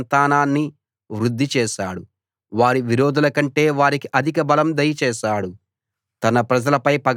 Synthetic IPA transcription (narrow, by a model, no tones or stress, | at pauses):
nt̪aːnaːnːi | ʋɾud̪ːit͡ʃɛːʃaːɽu | ʋaːɾiʋiɾoːd̪ulɐkɐɳʈe̞ːʋaːɾikiʔɐd̪ʱikɐbɐlɐmd̪ɐjɐt͡ʃɛːʃaːɽu | t̪ɐnɐpɾɐd͡ʒɐlɐpɐjpɐɡ